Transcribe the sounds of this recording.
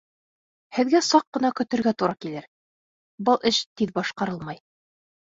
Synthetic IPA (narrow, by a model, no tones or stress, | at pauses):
hɘ̆ðɡæsɑqːɤ̆nɑkɵ̆t̪ɘ̆ɾɡæt̪uɾɑkilɘɾ | bɤlˠʔɘʃt̪iðbɑʃqɑɾɤlˠmɑj